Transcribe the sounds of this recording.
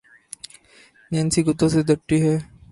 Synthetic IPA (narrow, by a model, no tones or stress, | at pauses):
nɛ̃ːnsiɡʊt̪õsed̪əʈːiɦɛː